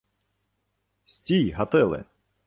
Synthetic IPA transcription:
sʲtʲijɦɐt̪ɪlˠɪ̰

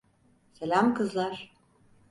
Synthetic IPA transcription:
selʲamkʰɯzlˠaɾ̥

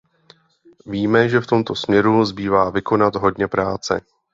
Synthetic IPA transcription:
viːmɛʒɛft̪o̞mt̪o̞smɲɛɾuzbiːvaːvɪko̞nat̪ɦo̞dɲɛpɾaːt͡sɛ̰

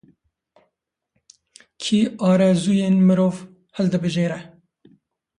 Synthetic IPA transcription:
kʰiːɑːɾɛzuːjeːnmɨɾoːv | hɛld̪ɨbɨʒeːɾɛ

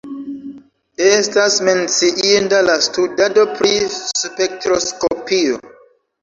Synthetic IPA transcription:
estasment͡siʔindalastudadopɾispek̚tɾoskopio̰

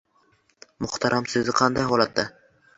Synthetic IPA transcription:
mʊχt̪ʰaɾʔamsɵzɪqʰɑnd̪ajɦɒlˠat̪ːa

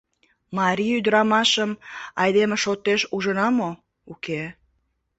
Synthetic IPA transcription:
mɑɾʲiyd̪ɾɑmɑʃəmɑjd̪emeʃot̪ːeʃuʒənɑmo | uke

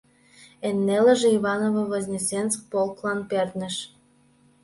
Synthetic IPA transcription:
enːelə̆ʒĕiβɑnovoβozʲnʲesensk̚polklɑnpert̪nə̆ʃ

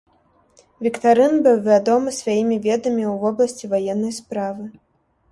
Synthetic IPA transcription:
vʲikt̪aɾɨnbɨwvʲad̪ɔmɨsʲvʲajimʲivʲɛd̪ɐmʲiwvɔblˠɐsʲt͡sʲivajɛnːɐjspɾavɨ

